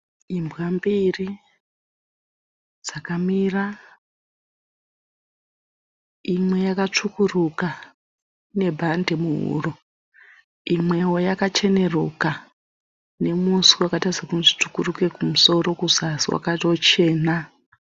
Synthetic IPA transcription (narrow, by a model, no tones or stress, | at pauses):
imbwambiri | d͡zakamira | imwe̞jakat͡ʂukuruka | ne̞bʱande̞muɦṵro | imwe̞wo̞jakat͡ʃe̞ne̞ruka | ne̞musiwakataisakunʐit͡ʂukuruke̞kumuso̞ro̞kuzasiwa̰katot͡ʃe̞ːna